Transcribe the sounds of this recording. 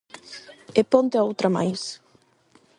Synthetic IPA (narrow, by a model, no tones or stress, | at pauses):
epont̪eowt̪ɾama̰js